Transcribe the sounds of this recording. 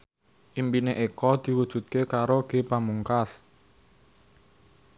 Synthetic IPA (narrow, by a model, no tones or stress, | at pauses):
ʔimpineʔekɔd̪̥i̤wud̥ʒ̥ṳt̪̚kekaɾoɡ̥e̤pamuŋkas